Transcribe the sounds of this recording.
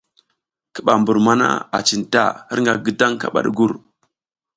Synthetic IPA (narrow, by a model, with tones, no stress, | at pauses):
ki̥˨ɓa˨mbu˨ɾma˦na̰˦a˨t͡ʃi˨nta˦˨hi˦ɾŋɡa˨ɡə˦da˦ŋka̰˨ɓa̰˨ɗɡu˦˨ɾ